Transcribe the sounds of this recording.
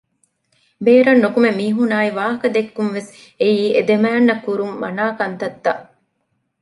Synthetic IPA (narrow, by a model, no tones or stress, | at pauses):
beːɾɐnːukumemiːɦunaːiʋaːɦɐkɐd̪ekːunʋes | ejiːʔed̪emæːnːɐkːuɾumːɐ̰naːkɐnt̪ɐt̪ːɐ